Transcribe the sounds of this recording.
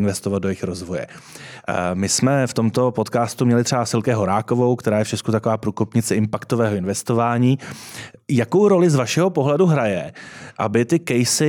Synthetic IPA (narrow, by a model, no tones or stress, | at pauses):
nvɛst̪ovad̪̚dojɛɪxɾo̞zvo̞jɛ̰ | mɪsmɛft̪o̞mt̪o̞po̞t̪kaːst̪umɲɛlɪt̪r̥ɛbasɪlkɛɦo̞ɾaːko̞vo̞wkt̪ɛɾaːjɛft͡ʃɛskut̪akovaːpɾuːkopɲɪt͡sɛɪmpakt̪o̞vɛːɦoɪnvɛst̪ovaːɲiː | jako̞wɾo̞lɪzvaʃɛɦo̞po̞ɦlɛduɦɾajɛʔa̰bɪt̪ɪkɛjsɪ